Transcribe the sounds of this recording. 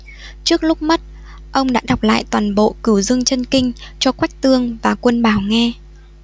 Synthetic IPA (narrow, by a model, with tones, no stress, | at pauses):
t͡ɕɨ˦˥ək̚lʊ˦˥k͡p̚mə˦˥t̚ | ʔə˧wŋ͡mɗa̰ː˧˥ɗa˨˩wk͡p̚la̰ː˧˨jt̪waː˨˩nɓo̰˧˨kɨ˧˩wzɨ˧əŋt͡ɕə˧nkï˧ŋ̟t͡ɕɔ˧kwa˦˥k̚t̪ɨ˧əŋvaː˨˩kwə˧nɓaː˧˩wŋɛ˧